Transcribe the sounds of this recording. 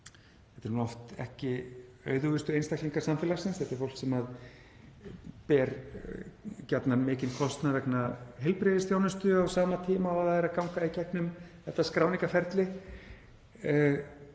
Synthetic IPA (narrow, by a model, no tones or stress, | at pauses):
θɛ̥t̪ɛɾhunɔft̪ɛ̰hcɪ | œ̰ːɥðʏvʏst̪ʏejnst̪akliŋkḁsamfɪːlasɪnsθɛht̪ɪɾ̥fowl̥ksɛmað | pɛːɾ | cat̪namɪːcɪnkʰɔst̪navɛknaɦɛlpɾeːðɪst̪θjaːwnʏst̪ʏawsaːmat̪ʰiːmaaðaðɛɾakawŋkaicɛknʏmθɛht̪ːaskɾaːwniŋkafɛɾt̪lɪ